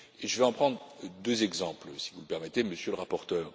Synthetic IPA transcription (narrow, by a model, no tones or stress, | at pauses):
eʒəvɛɑ̃pχɑ̃d̪ʁd̪øzɛɡzɑ̃plsi̥vuləpɛʁmɛt̪eməsjøləʁapɔʁt̪œːʁ